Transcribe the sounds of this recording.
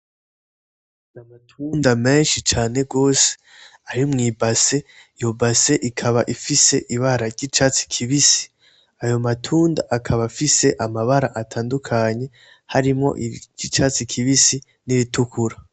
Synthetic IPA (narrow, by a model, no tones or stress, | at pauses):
namatʰundame̞ːnʃit͡ʃaːne̞ɡo̞ːse̥ | aɾimŋiːbase̞ | jobase̞ʔikʰaβaʔifise̞ʔiβaɾaɾɟit͡ʃat͡si̥kʰiβisi̥ | ajo̞matʰuːnda̰ʔakʰaβafise̞ʔamaβaɾaʔatʰaːndukʰaɲe̞ | haɾimŋo̞̰ʔiɟit͡ʃat͡sikʰiβisi | niβitukuɾa